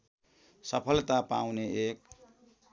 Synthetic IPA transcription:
sʌpʰʌlt̪apa̰wneek̚

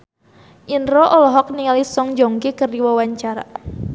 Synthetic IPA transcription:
ʔinɾoʔɔlɔɦɔk̚niŋalisɔŋd͡ʒɔŋkekərdiwawaɲt͡ʃaɾa̰

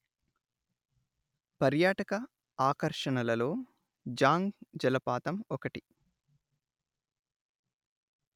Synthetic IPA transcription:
pɐɾjaːʈɐkɐ | aːkɐɾʂɐɳɐlɐlo̞ː | d͡ʒaːŋɡd͡ʒɐlɐpaːt̪ɐmɔkɐʈi

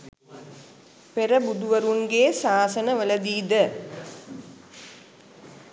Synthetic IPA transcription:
peɾɐbud̪uʋɐɾuŋɡeːsaːsɐnɐʋɐlɐd̪iːd̪ə

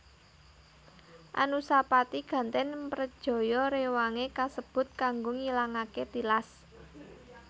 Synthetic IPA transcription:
ʔa̰nusapat̪iɡ̥ä̤nt̪ɛnpɾəd̥ʒ̥ɔ̤jɔɾewaŋekasəb̥ʊ̤t̪̚kaŋɡoŋilaŋaket̪ilas

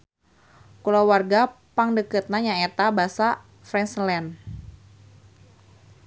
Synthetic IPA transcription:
kulawarɡapaŋdəkət̪̚naɲaet̪abasa | fɾɛnslɛn

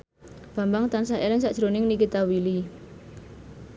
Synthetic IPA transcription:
b̥a̤mbaŋt̪ansaʔɛlɪŋsaʔd̥ʒ̥ɾonɪŋnikit̪awili

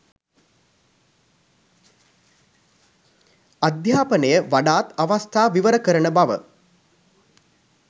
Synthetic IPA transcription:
ad̪jaːpənəjəʋaɖaːt̪aʋast̪ʰaːʋiʋəɾəkəɾənəbaʋə̰

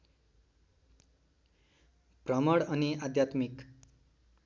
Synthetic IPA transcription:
prʌmʌɽʌniad̪jat̪mik

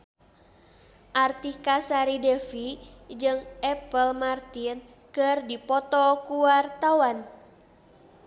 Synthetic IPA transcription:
ʔart̪ikasaɾidɛfid͡ʒɨŋɛpəlmart̪in | kɨrdipɔt̪ɔkuart̪awan

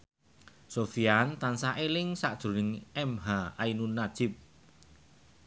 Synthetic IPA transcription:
sofiant̪ansaʔelɪŋsaʔd̥ʒ̥ɾṳnɪŋɛmɦaainunːad̥ʒ̥ɪp̚

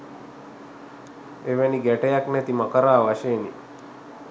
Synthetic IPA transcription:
eʋeniɡɛʈejaknet̪iməkəɾaːʋaʃeːni

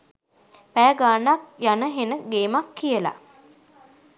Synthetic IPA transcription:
pæːɡaːnak̚janəɦenəɡeːmakːijəla̰

